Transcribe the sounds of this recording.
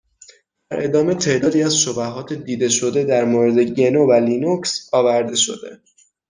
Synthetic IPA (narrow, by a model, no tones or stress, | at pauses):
b̪̥æɾʔe̞d̪ɒːme̞t̪ʰe̞ʔd̪ɒːd̪iːæzʃo̞bæɦɒːt̪ʰed̪iːd̪e̞ʃo̞d̪e̞d̪æɾmoːɾed̪e̞ɟe̞novælinuksɒːvæɾd̪e̞ʃo̞̰d̪e̞̰